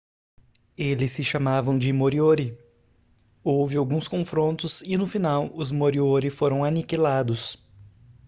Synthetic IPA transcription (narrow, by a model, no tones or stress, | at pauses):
elɪsːɪʃamavɐ̃w̃d͡ʒɪmoɾioɾɪ | owvɪawɡũskõfɾõnt̪ʊsɪnʊfinawʊzmoɾioɾɪfoɾɐ̃w̃anikilad̪ʊs